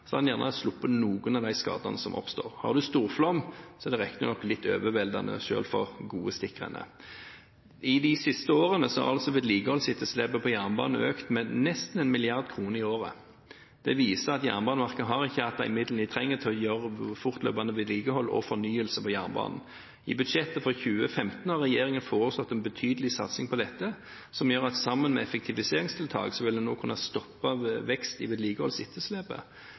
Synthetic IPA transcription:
sɔɑnjæʁnəslʊpːənuːɡənɑʋd̪æɪskɑ̰ːd̪ɑnəsɔmʔɔ̰pst̪o̰ːʁhɑ̰ʁd̪ʉst̪uːʁflɔmsɔɛd̪ɛʁɛkːnəənɔkːlɪt̪ʰːø̰ːʋəʋɛld̪ɑ̰nə̰ʃø̰ːlfɔʁɡuːəst̪ɪkːəʁɛ̰nə̰ | ɪd̪ɪsɪst̪əoːʁənəsɔhɑ̰ʁɑlsɔʋeːd̪liːɡəhɔlsɪt̪ʰːɔslɛbəpʰɔjæʁnbɑ̰ːnn̩øːkt̪mɛnɛst̪n̩ɛnmɪlɪɑʁd̪̚kʰʁuːnəʁɪoːʁə̰ | d̪̥ɛʋiːsəʁɑt̪jæ̰ːʁnbɑːnəʋɑʁkəɦɑʁɪçːəɑt̪̚ːɑʔɪ̰mɪd̪lnɪt̪ʰʁɛŋːət̪ʰɪɔjøːʁəfʊʁt̪lø̰ːpɑnəʋɪːd̪liːɡəhɔlːɔ̰fɔnyːəlsəpʰɔjæːnbɑ̰ːnn̩ | ɪ̰bʉd̪ʃɛt̪ːəfɔʁçʉːəfɛmt̪n̩hɑʁɛjeːʁɪŋənfoːʁəslɔt̪ːɛnbət̪ʰyːd̪əlɪsɑ̰t̪sɪŋpʰɔd̪ɛt̪ːə | sɔmjøːʁɑt̪sɑmːənmɛɛfɛk̚t̪ʰɪʋɪseːʁɪŋst̪ʰɪlt̪ʰɑ̰ːɡsɔʋɪld̪ɛnoːkʰʉnːɑst̪ɔpːɑʋɛkst̪ɪʋɪːd̪liːɡəhɔlsɪt̪ʰːəsleːbə̰

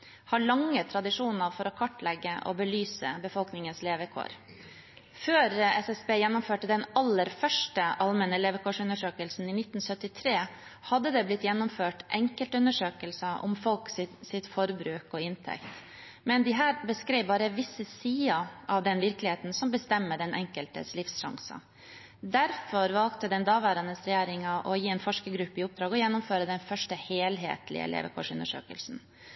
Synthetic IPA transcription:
hɑɭɑŋːət̪ʰɾɑd̪ɪʂuːnəɾfɔɾɔkʰɔʈːlɛɡːəʔɔ̰bəlyːsə̰bəfɔlknɪŋənsleːʋəkʰo̰ːɾ | føːɾɛsɛsbeːjɛnːʊmføːʈəd̪ɛnɑlːəɾfœʂʈəʔɑlmɛnəleːʋəkʰoːʂʉnːəʂøːkəlsn̩ɪnɪt̪ːn̩sœt̪ːɪt̪ʰɾeː | hɑd̪ːəd̪ɛblɪt̪jɛnːʊmføːʈʔɛŋkəlt̪ʉnːəʂøːkəlsəʔɔ̰mfɔlksɪsɪt̪fɔɾbɾʉːkɔɪnt̪ʰɛ̰kt̪ | mɛnd̪ɪɦæːɾbəskɾeɪʋbɑːɾəʋɪsːəsiːɑʔɑʋd̪ɛnʋɪɾklɪheːt̪n̩sɔmbəst̪ɛmːəɖɛnʔɛŋkəlt̪ə̰slɪfsʃɑ̰ŋsɑ̰ | d̪æɾfɔɾʋɑlkt̪əd̪ɛnd̪ɑːʋæːɾɑnəsɾɛjæːɾɪŋɑʔɔjiːeːnfɔʂkəɡɾʉpːəɪʊp̚d̪ɾɑːɡɔjɛnːʊmføːɾəd̪ɛnfœʂʈəheːlɦḛːt̪lɪ̰ə̰ɛ̰lʔḛːʋə̰kʰɔ̰ʂʉ̰nd̪əʂø̰ːkə̰lsn̩

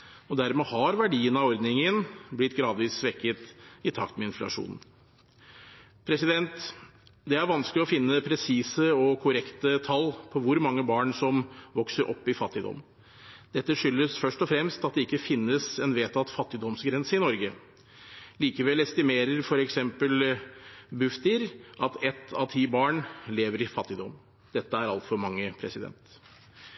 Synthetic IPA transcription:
ɔd̪æɾmɛhɑɾʋæɖiːənɑɔɾd̪nɪŋənblɪt̪ːɡɾɑːd̪ʋiːsːʋɛkːət̪ɪt̪ʰɑ̰kt̪mɛɪnflɑ̰ʂṵːnn̩ | pʰɾɛsɪd̪ɛnt̪d̪ɛæɾʋɑnsklɪɔfɪnːəpʰɾɛsiːsəɔkʰʊɾɛkt̪ət̪ʰɑlːpʰɔʋʊɾmɑŋːəbɑːɳsɔmʋɔksəɾʔɔpːɪfɑt̪ːɪd̪ɔ̰mː | d̪̥ɛt̪ːəʂʏlːəsfœʂʈɔfɾɛmst̪ɑt̪̚d̪ɛɪkːəfɪnːəsɛnʋeːt̪ɑt̪fɑt̪ːɪd̪ɔmsɡɾɛnsəɪnɔɾɡə | liːkəʋɛlɛst̪ɪmeːɾəɾfɔɾɛksɛmpəl | bʉft̪ɪɾʔɑt̪ɛt̪ːɑʋt̪ʰiːbɑːɳleːʋəɾɪfɑt̪ːɪd̪ɔm | d̪̥ɛt̪ːəæɾɑlt̪fɔɾmɑŋːəpʰɾɛsɪd̪ɛ̰nt̪

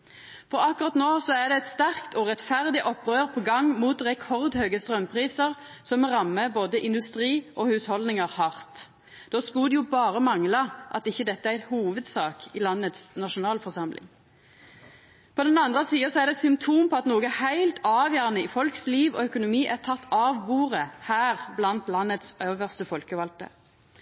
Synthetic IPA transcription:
fɔʁɑkːʊɾʁɑt̪noːsɔæʁd̪ɛɛt̪st̪æʁkt̪ʰɔʁɛt̪fæʁd̪ɪʔɔpːʁøːʁpʰɔːɡɑŋːmuːt̪ʁɛkʰɔʁd̪høːɡəst̪ʁœmpʰʁiːsəʁ | sɔmʁɑmːəboːd̪əʔɪnd̪ʉst̪ʁiːʔɔhʉshɔld̪nɪŋəʁhɑʁt̪ | d̪̥oːskʉːd̪ɛjʊbɑːʁəmɑŋlɑʔɑt̪ɪçːəd̪ɛt̪ːəæhuːʋəd̪sɑːkɪlɑnːət̪snɑʃʊnɑːlfɔʁsɑmlɪ̰ŋ | pʰɔd̪ɛnɑnd̪ʁəsiːəsɔæʁd̪ɛsʏmpt̪ʰuːmpʰɔɑt̪noːɡəɛhæɪlt̪ʰɑːʋjæːʁənəɪfɔlksliːʋɔ̰œkʊnʊmiːʔæt̪ʰɑt̪ːɑːʋbuːʁəhæːʁblɑnt̪lɑnːət̪søːʋəʁst̪əfɔlkəʋɑlt̪ə̰

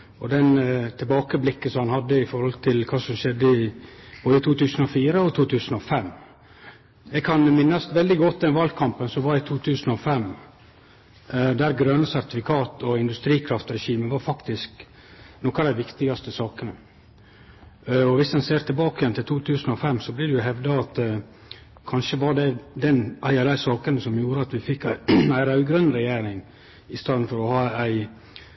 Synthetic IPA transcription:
ɔd̪ɛnt̪ʰɪlbɑːkəblɪkːəsɔmhɑnhɑd̪ːəɪfɔɾhɔlt̪ʰɪlkʰɑːsɔmʃɛd̪ːəɪb̥oːd̪ət̪ʰuːt̪ʉːsən̩ɔfiːɾəɔt̪ʰuːt̪ʰʉːsənɔfɛmː | ɛɡ̚kʰɑnmɪnːɑsʋɛld̪ɪɡɔt̪ːd̪ɛnʋɑlɡ̪kʰɑmpənsɔʋɑɾɪt̪ʰuːt̪ʰʉːsənɔfɛm | d̪æɾɡɾœnəsæɾt̪ɪfɪkʰɑːt̪ɔɪnd̪ʉst̪ɾiːkʰɾɑft̪ɾɛʃiːməʋɑɾfɑkt̪ɪsk | nɔkɑd̪æɪʋɪkt̪ɪɡɑst̪əsɑːkənə | ɔʋɪsd̪ɛnseːɾt̪ʰɪlbɑːkəjɛnt̪ɪlt̪ʰuːt̪ʰʉːsnɔfɛmːsɔblɪdɛjʊɦɛʋd̪ɑɑt̪ | kʰɑnʃəʋɑɾɖɛd̪ɛnʔæɪɑd̪æɪsɑːkənəsɔmjuːɾəɑt̪ʋɪfɪkːææɪɾɑʉɡɾœnːɾɛjeːɾɪŋ | ɪst̪ɑːd̪n̩fɔɾɔhɑːæɪ

